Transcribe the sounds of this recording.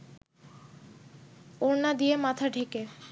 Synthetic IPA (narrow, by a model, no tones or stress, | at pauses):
oɾnad̪ijemat̪ʰaɖʱeke